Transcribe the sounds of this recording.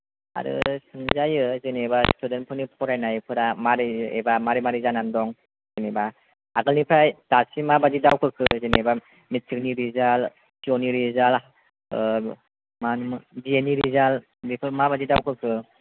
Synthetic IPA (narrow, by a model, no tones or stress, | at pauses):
a̰ɾɯ̰sɯŋzajɯzɯnebastʰudenpʰɯnipʰɔɾajnajpʰɯɾamaɾiḛbamaɾimaɾizanandɔŋ | z̥ɯneba | aɡɯlnipʰajtasimabazidawkʰɯkʰɯzɯneba | mit̚sɯk̚niɾizal | sioniɾizal | manmbieniɾizal | bipʰɯmabazidawkʰɯkʰɯ